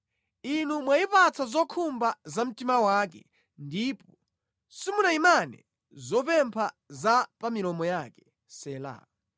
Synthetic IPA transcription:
inumwaipat͡sʰazɔkʰumbazam̩timawaːkɛ̰ | ndip̚ɔ | simunaimanɛ̰ | zɔpɛmpʰa | zapamilɔmɔjakɛ̥ | sɛːla̰

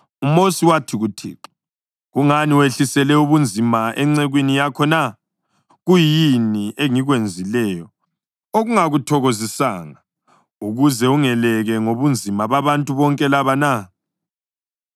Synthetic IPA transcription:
umosiwatʰiɣutʰḭːǁi̥ | ɣuŋaniweɬisɛlɛuβund͡zʱimaʔɛŋ͡ǀɛɣwinijakʰɔna | ɣujiniʔɛŋiɣwend͡zʱilɛːjɔ | oɣuŋaɣutʰɔɣozisa̰ːŋa | uɣuzɛuŋɛlɛɣɛŋoβund͡zʱimaβaβantʼuβɔŋkʼɛlaβana

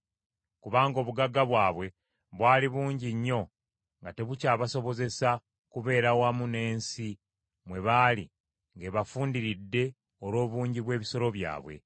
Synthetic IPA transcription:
kuβaːŋɡo̞ːβuɡaɡaβwaːβwe̞ | βwaːliβuːɲɟiɲːo̞ | ŋɡate̞βucaːβaso̞βo̞ze̞sa | kuβe̞ːɾawamune̞ːnsi | mwe̞βaːli | ŋɡe̞βafuːndiɾidːe̞ | oɾo̞ːβuːɲɟiβwe̞ːβiso̞ɾo̞βja̰ːβwe̞̰

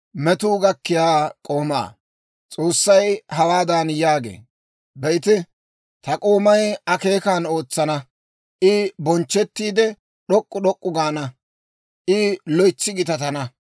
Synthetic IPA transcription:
mɛt̪uːɡɐkːɪjaːkʼo̞ːma̰ː | t͡sʼo̞ːsːɐjhɐwaːd̪aːnjaːɡḛː | bɛjt̪ɪ | t̪ɐkʼo̞ːmɐjɐke̞ːkaːno̞ːt͡sːɐnɐ | ʔɪbɔnt͡ʃːɛt̪ːiːd̪ɛ | ɗɔkʼːʊɗɔkʼːʊɡaːnɐ | ʔɪlɔjt͡sːɪɡɪt̪ɐt̪ɐnɐ

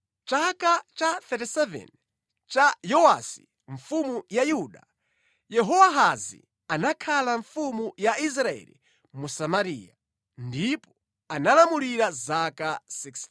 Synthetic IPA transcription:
t͡ʃakat͡ʃat̪ɛtisɛvɛ̰n | t͡ʃajɔwasi | ɱfumujajuɗa | jɛɦɔwaɦazḭ | anakʰalaɱfumujais̬ɾaɛ̰lḭ | musamaɾiːja | ndipɔ | analamuliɾazakasiks

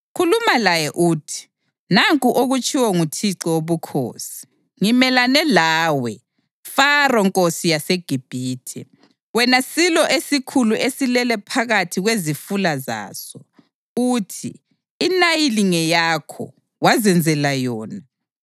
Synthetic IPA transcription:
kʰulumalajɛʔuːtʰi̥ | naŋkʼuʔoɣut͡ʃʰʼiwɔŋutʰiǀiwoβukʰo̰ːsi̥ | ŋimɛlanɛlaːwɛ | farɔŋkʼosijaseɡ̥ʱib̥ʱiːtʰɛ | wɛnasilɔʔesikʰuluʔesilɛlɛpʰaɣatʰiɣwezifulaza̰ːsɔ | uːtʰḭː | najiliŋɛjakʰɔ̰ | wazɛnd͡zʱɛlajɔːna

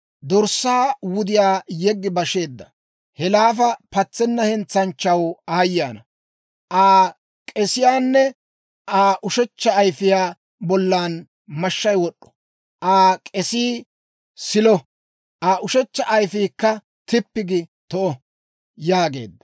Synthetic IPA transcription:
d̪ɔɾsːaːwʊd̪ɪjaːjɛɡːɪbɐʃe̞ːd̪ːɐ | hɛlaːfɐpɐt͡sːɛnːɐhɛnt͡sːɐnt͡ʃːɐwaːjːaːnɐ | ʔaː | kʼɛsɪjaːnːɛ | ʔaːʔʊʃɛt͡ʃːɐːjfɪjaː | bɔlːaːn | mɐʃːɐjwɔɗːɔ̥ | ʔaːkʼɛsiː | sɪlɔ | ʔaːʔʊʃɛt͡ʃːɐʔɐjfiːkːɐ | t̪ɪpːɪɡɪt̪ɔʔɔ | jaːɡe̞̰ːd̪ːɐ̥

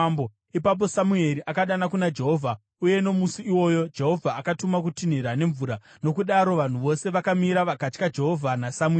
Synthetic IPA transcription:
bo | ipap̬o̞samue̞ɾiʔakaɗanakunad͡ʒe̞ɦo̞vʱa | uje̞no̞musiiwo̞ːjo̞d͡ʒe̞ɦo̞vʱaːkatumak̬utin̤iɾane̞ɱvuːɾa | no̞kuɗaɾo̞ʋan̤uʋo̞se̞ʋakamiɾaʋakat͡ʃkad͡ʒe̞ɦo̞vʱanasamu

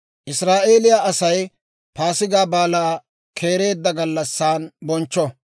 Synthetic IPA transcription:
ʔɪsɾaːʔe̞ːlɪjaʔɐsɐj | paːsɪɡaːbaːlaː | kʰe̞ːɾe̞ːd̪ːɐɡɐlːɐsːaːnbɔnt͡ʃːɔ

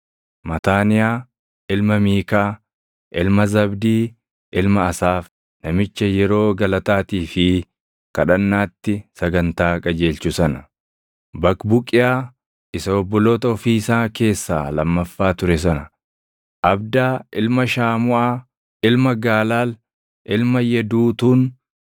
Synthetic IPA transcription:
mɐt̪aːnɪjaː | ɪlmɐmiːkaː | ʔɪlmɐzɐbd̪iː | ʔɪlmɐːsaːf | nɐmɪt͡ʃːɐjɛɾo̞ːɡɐlɐt̪aːt̪iːfɪ | kɐᶑɐnːaːt̪ːɪsɐɡɐnt̪aːkʼɐd͡ʒe̞ːlt͡ʃʊsɐnɐ | bɐkbʊkʼːɪjaː | ʔɪsɐɔbːɔloːt̪ɐɔfiːsaːke̞ːsːa̰ːlɐmːɐfːaːt̪ʊɾɛs̬ɐnɐ | ʔɐbd̪aːɪlmɐʃaːmʊʔaː | ɪlmɐɡaːlaːl | ʔɪlmɐjɛd̪uːt̪uːn

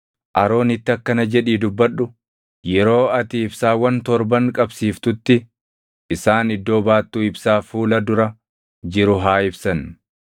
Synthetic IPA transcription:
ʔɐɾo̞ːnɪt̪ːɪɐkːɐnɐd͡ʒɛᶑiːd̪ʊbːɐᶑːʊ | jɛɾo̞ːɐt̪iɪbsaːwɐnt̪ɔɾbɐŋkʼɐbsiːft̪ʊt̪ːɪ | ʔɪsaːnɪd̪ːo̞ːbaːt̪ːuːɪbsaːfuːlɐd̪ʊɾɐ | d͡ʒɪɾʊɦaːɪbsɐn

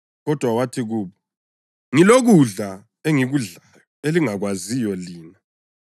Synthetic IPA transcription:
ɣɔd̥ʱwawatʰiɣuːβɔ | ŋiloɣuɮa | eŋiɣuɮajɔeliŋaɣwazijɔliːna

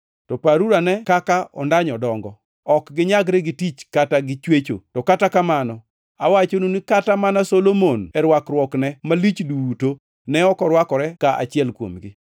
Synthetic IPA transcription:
tɔpaɾuɾanɛkakaɔ̰ndaɲɔdɔŋɡɔ | ɔkɡɪɲaɡɾɛɡɪtit͡ʃkataɡɪt͡ʃwet͡ʃo̰tɔkatakamanɔ | a̰wat͡ʃonunikatamanasolomonɛɾwakɾwɔknɛmalit͡ʃduto | nɛɔkɔɾwakɔɾɛkaʔa̰t͡ʃɪɛlkwo̰mɡɪ

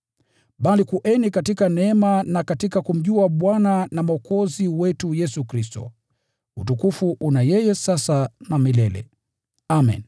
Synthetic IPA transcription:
ɓalikuʔɛnikatikanɛɛmanakatikakum̩ʄuaɓwananamaɔkɔziwɛtujɛsukɾistɔ̰ | utukufuʔunajɛjɛsasanamilɛlɛ̰ | amḭn

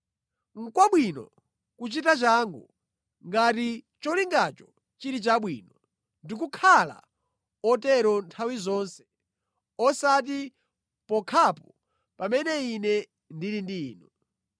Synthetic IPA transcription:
ŋ̩kwaɓwinɔ̰ | kut͡ʃitat͡ʃaːŋɡɔ | ŋɡati | t͡ʃɔliŋɡat͡ʃɔ | t͡ʃiɾit͡ʃaɓwiːnɔ | ndik̬ukʰala̰ | ɔtɛɾɔntʰawizɔnsɛ̥ | ɔsat̬i | pɔkʰapɔ | pamɛnɛinɛ | ndiɾindiːnɔ

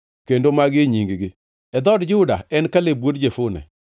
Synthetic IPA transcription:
kendomaɡɪɲiŋɡɡɪ | ɛd̪ɔdd͡ʒʊda̰ɛnkalebwodd͡ʒefʊnɛ̰

